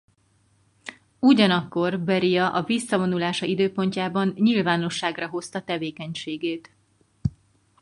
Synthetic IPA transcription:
uɟɒnɒkːo̞rbɛɾijɒʔɒvisːɒvo̞nulaːʃɒid̪øːpo̞ɲcaːbɒnɲilvaːno̞ʃːaːɡrɒɦo̞st̪ɒt̪ɛveːkɛɲʃeːɡeːt̪

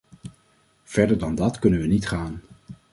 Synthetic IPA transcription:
v̥ɛɹdəɹdɑndɑtkɵnənʋənitχaːn

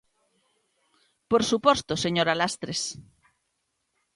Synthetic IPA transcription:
poɾsupost̪oseɲoɾalast̪ɾes

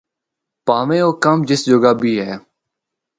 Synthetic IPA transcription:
paːʋẽːoːkəmd͡ʒɪsd͡ʒoɡaːbʱiːɦɛː

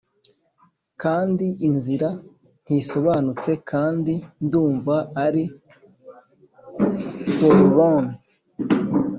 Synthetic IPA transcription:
kaːndiʔinziɾa | n̥hiso̞βanut͡se̞kʰaːndinduːɱvaːɾi | kolβon

